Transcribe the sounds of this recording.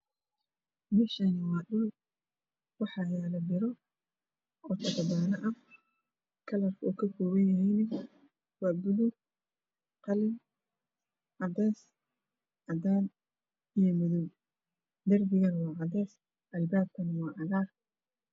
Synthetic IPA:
mɪʃɐnɐwɑːɗʊː | wɑħɑːjalɐbɪɾɔ | ʔɔːt̪ʰɐbɐdaːnɐʔɐ | kʰɐlɐrkʰɔ̰ːkʰɐkʰɔːwɐjɐɦɛjnɐ | wɑːbʊðʊɡ | qɑlɪm | ʕɑd̪ɛːs | ʕɑd̪aːn | ijɔmʊðʊw | d̪ɐrbɪɣɐnwɑːʕɑd̪ɛːs | ʔɐlbaːb̚kʰɐnɐwɑːʕɑɣaːr

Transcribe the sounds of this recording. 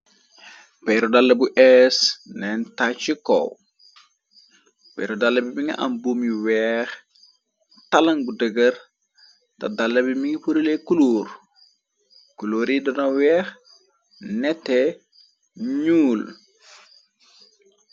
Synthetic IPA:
pɛɾɔdalːɐbuʔɛsnɛntat͡ʃikɔ̰w | pɛ̰jɾodalːɐbimiŋɐ̰ʔa̰mbumiwɛːx | tɐlɐŋbudəɡər | tɐ̰dalːɐbimiŋipuɾəlekuluːɾ | kuloːɾidɔnɐwɛːx | nɛtːɛ | ɲuːl

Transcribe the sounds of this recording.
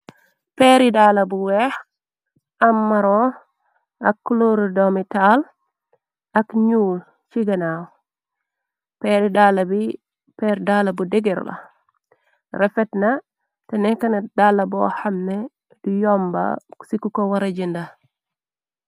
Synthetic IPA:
peɾidaːlɐbuwɛx | ɐmːɐɾo | ɐkːloɾdomital | ɐkɲuːl | t͡ʃiɡɐnaːw | pɛːɾidaːlɐbi | pɛɾdalɐbudɛɡɛɾ̰lɐ̰ | rɛfɛtnɐ | tɛnɛkːɐnɐdalɐbɔ̰hɐmne | dijɔmba̰sikukowɐɾɐɟinda

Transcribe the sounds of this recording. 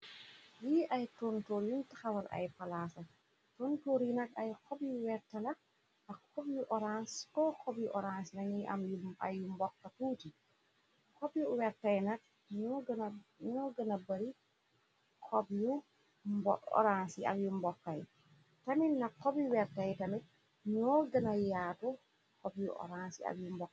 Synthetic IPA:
jiʔajtontoɾjuntḁxawaɾʔa̰jfalaːsa | tɔntoɾjunakajkɔbjuwɛɾtala | ʔakkɔbjuʔɔɾanskɔkɔbjuʔɔɾansinaniʔa̰mjua̰jːumbɔkːatuːti | kɔbjuwɛɾtajnak̚ | ɲɡnɲɔɡɐnabaɾi | kʰɔbju | bɔ̰ɾansia̰kjumbɔkːaj̰ | tamilnakkːɔbjuwɛɾtajtamit̚ | ɲɔɡɐnajaːtu | kɔbjṵʔɔ̰ɾansia̰bjumbɔkː

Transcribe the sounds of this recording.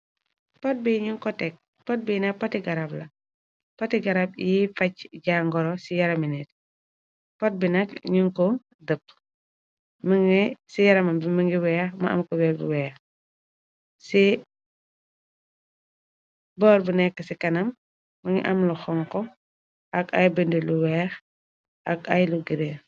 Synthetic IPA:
pɐt̚biɲuŋkɔtɛk̚ | pɐt̚binɐk̚pɐtiɡɐɾablɐ | pɐtiɡɐɾab̚jifɐcɟaːŋɡɔɾɔsijɐɾɐminit̚ | pɐt̚binɐkɲuŋkɔ | dəp̚ː | məŋɡisijɐɾɐmɐbiməŋɡiwɛːxmɐ̰ɐ̰mkɔwɛːlbṵwɛːx | si | bɔːɾbunɛkːəsikɐnɐmː | ɐŋɡḭʔɐmlɐxɔŋkɔ | ʔɐɡɐjbəndiluwɛːx | ʔɐkɐjluɡiɾe

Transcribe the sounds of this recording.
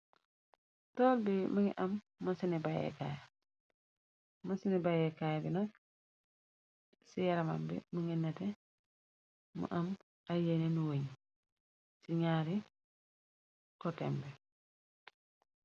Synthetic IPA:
toːlbimuŋiʔamː | asinibajḛka̰ja | masinibajekajabinok | sijaɾama̰mbḭmuŋinɛtɛ | mṵʔam | ajenenuweɲ | siɲaɾi | kotɛ̰mbɛ

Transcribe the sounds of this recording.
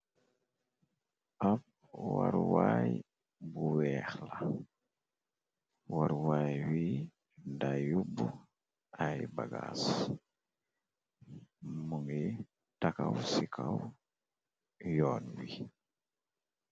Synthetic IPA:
ap̚ | waɾwaj | buwɛxla | waɾwajwi | dajubu | ajbaɡas | muŋi | takawsikʰaw | jɔnwi

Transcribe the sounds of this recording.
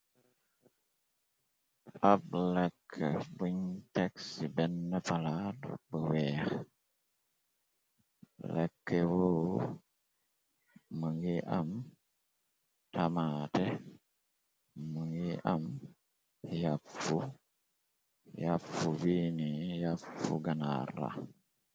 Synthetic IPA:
ablɛkʰːebuɲtɛksibɛnːəpalatbəwɛːx | lɛ̰kːewo | əŋɡiʔam | tamaːte | əŋɡiʔam | jaffu | jafubinijaffṵɡana̰ɾa̰

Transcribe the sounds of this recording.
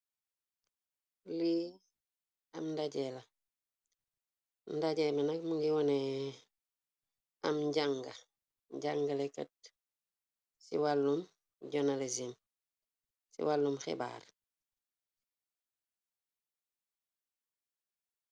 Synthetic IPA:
li | ɐmndaɟɛlɐ | ndaɟɛmɛnɐk̚muŋɡiwɔnɛ | ɐ̰mɟaŋɡɐ | ɟaŋɡɐlekɐ̰t̚ | sḭwalːum | ɟɔnalezim | sḭwalːumxɛ̰ba̰ːr

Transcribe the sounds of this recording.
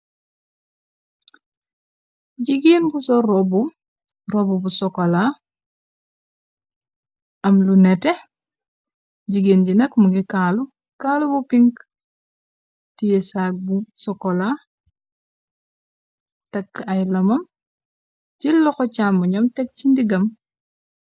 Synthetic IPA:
ɟiɡiːnbusɔɾɔbu | ɾɔbubusɔkɔla | ɐmlunɛtɛ | ɟiɡiːnɟinɐkmuɡikalu | kaːlubupiŋk | tijesaːk̚busɔkɔla | tɛkajlɐmɐm | d͡ʒilːɔxɔt͡ʃamuɲɔmtɛk̚t͡ʃindiɡɐm

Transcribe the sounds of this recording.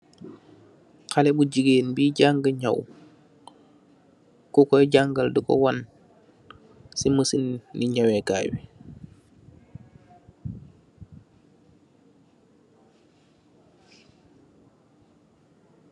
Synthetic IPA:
kalɛbuɟiɡeːnbiɟaŋɡəɲa̰w | kukɔjɟaŋɡaldukɔ̰wan | siməsinniɲawɛka̰ːwḭ

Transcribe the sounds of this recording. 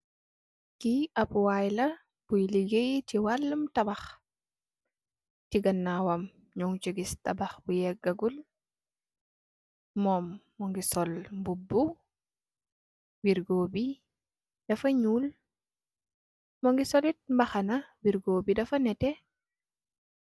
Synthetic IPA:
kiɐpwajlɐ | b̥ujliɡejtiwalːumtɐbɐx | tiɡɐnːawɐm | ɲuŋt͡ʃiɡistɐbɐxbujɛɡɐɡul | mɔːmː | ɔŋɡisɔlmbubːu | wiɾɡoːbi | d̥ɐfɐɲuːl | mɔŋɡisɔlit̚mbɐxɐnɐwiɾɡoːbidɐfɐnɛtɛ

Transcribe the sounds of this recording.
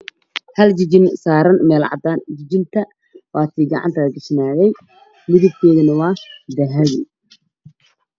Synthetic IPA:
hɐlt͡ʃɪt͡ʃɪnsaːɾɐnmɛːlʕɑ̰d̪aːnd͡ʒɪd͡ʒɪnt̪ʰɐ | wɑːt̪ʰiːɡɑ̰ʕɑ̰nt̪ʰɐɐd̪ɪʃnaːɣɛj | mɪðʊb̚kʰɔːðɐnɐwɑːd̪ɐɦɐɣi

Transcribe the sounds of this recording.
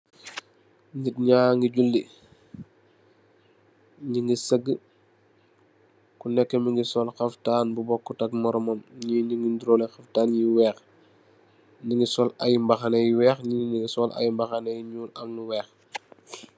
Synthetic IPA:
nɡit̚ɲaːŋɡiɟulːi | ɲiŋɡisəɡːə | kunɛkːəmiŋɡisɔlxɐftaːnbubɔkːutɐk̚mɔɾɔmɔmɲiɲiŋɡindiɾɔːlɛxɐftaːnjiwɛːx | ɲiŋɡisɔlajmbɐxanɛjiwɛːxɲiniŋɡisɔla̰jmbɐxɐnɛjiɲuːnɐmnuwɛːx

